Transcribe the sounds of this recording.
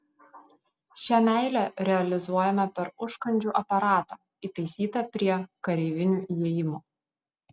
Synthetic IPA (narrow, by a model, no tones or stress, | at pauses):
ʃʲæmʲæˑɪlʲæɾʲɛɐlʲɪzuɔjɛmɐpʲɛɾʊʃkɐnʲd͡ʒʲuːʔɐpɐɾɑːt̪ɑː | iːˑt̪ɐɪsʲiːt̪ɐpʲɾʲiɛkɐɾʲeɪʋʲɪnʲuːjeːjɪmoː